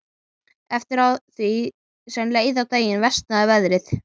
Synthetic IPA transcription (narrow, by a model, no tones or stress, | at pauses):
ɛft̪ɪɾawθvi | sɛmnleːjðawt̪eːjɪnvɛst̪̚naðvɛðɾɪθ